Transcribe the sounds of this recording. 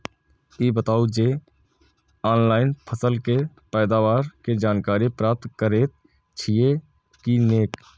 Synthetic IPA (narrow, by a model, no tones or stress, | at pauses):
iːbət̪aːud͡ʒeː | aːnlaːɪnpʰəsəlke | pɛːd̪aːʋaːɾked͡ʒaːnkaːɾipɾaːp̚t̪kəɾeːt̪̚ | t͡ʃʰie | kineːk